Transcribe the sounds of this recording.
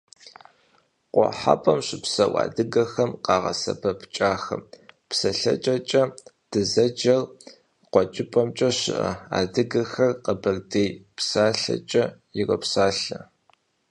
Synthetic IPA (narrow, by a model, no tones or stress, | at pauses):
qʷʼɔ̰ħa̰pʼɐmɕɪpsɐwɑ̰ːdɨɡɐxɐmqɑːʁɐ̰sɐ̰bɐpʰt͡ʃʼaːxɐmpsɐɬɐ̰t͡ʃʼɐt͡ʃʼɐ | d̥ɨzɐd͡ʒɐr | qʷɔt͡ʃʼɪpʼɐmt͡ʃʼɐɕɪ̰ʔɐ̰a̰ːdɨɡɐxɐrqɐbɐrdeːjpsaːɬɐ̰t͡ʃʼɐjɪrɐpsaːɬɐ